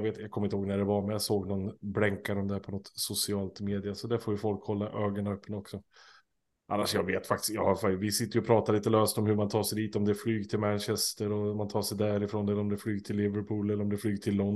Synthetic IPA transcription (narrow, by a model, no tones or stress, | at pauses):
veːt̪jɑɡkʰɔmːɪnt̪əhoːɡnæɖɛvaɾmɛjasoːɡnɔnblɛŋkːaɾɔmd̪æɾpʰɔnɔt̪sʊsɪɑːlt̪meːd̪ɪasɔd̪æɾfoːɾjɵfɔlkhɔlːaʔøːɡənaœpːənaɔksɔ | ʔa̰nːaʂjɑːɡveːt̪fak̚t̪ɪ̥sjɑ̰ːhaɾfavɪsɪt̪ːəjʏɔpʰɾɑːt̪aɾɭiːt̪əløːst̪ɔmhɵmant̪ʰɑːʂɛjd̪iːt̪ɔmd̪ɛflyːɡt̪ʰɪlmænɕɛst̪əɾɔmant̪ʰɑːʂɛjd̪æɾɪfɾoːnɛlːəɾɔmd̪ɛflyːɡt̪ʰɪlːɪvəɾpʰuːlɛlːəɾɔmd̪ɛflyːɡt̪ʰɪlːɔn